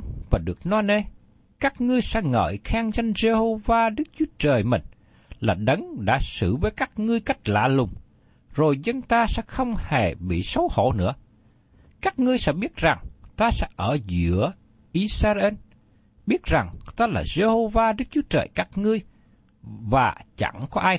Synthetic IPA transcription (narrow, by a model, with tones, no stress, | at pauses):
vaː˨˩ɗɨ˨˩ək̚nɔ˧ne˧ | kaː˦˥k̚ŋɨ˧əjsɛ̰˧˥ŋə̰ː˧˨jxaː˧ŋzə˧ŋ̟ze˧ho˧vaː˧ɗɨ˦˥k̚t͡ɕu˨˦ət͡ɕəː˨˩jmï˨˩ŋ̟ | laː˨˩ɗə˨˦ŋɗa̰ː˧˥sɨ̰˧˩vəː˨˦jkaː˦˥k̚ŋɨ˧əjka˦˥jk̟̚la̰ː˧˨lʊ˨˩ŋ͡m | zo˨˩jzə˧nt̪aː˧sɛ̰˧˥xə˧wŋ͡mhe˨˩ɓḭ˧˨sə˨˦wxo̰˧˩˨nɨ̰˧˥ə | kaː˦˥k̚ŋɨ˧əjsɛ̰˧˥ɓi˦˥ət̚za˨˩ŋt̪aː˧sɛ̰˧˥ʔəː˧˩zɨ̰˧˥ə | ʔi˧saː˧ʔe˧n | ɓi˦˥ət̚za˨˩ŋt̪aː˧laː˨˩ze˧ho˧vaː˧ɗɨ˦˥k̚t͡ɕu˨˦ət͡ɕəː˨˩jkaː˦˥k̚ŋɨ˧əj | vaː˨˩t͡ɕa̰˧˩ŋkɔ˨˦ʔaː˧j